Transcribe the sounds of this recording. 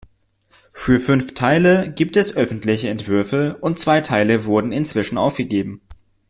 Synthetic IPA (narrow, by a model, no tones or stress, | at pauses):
fyːɐfʏnftʰaɪləɡiːp̚tɛsʔœfn̩tlɪçəɛntv̥ʏɐfəʊnt̚t͡sv̥aɪtʰaɪləvʊɐdn̩ɪnt͡sv̥ɪʃn̩ʔa̰ʊfɡ̥əɡeːbm̩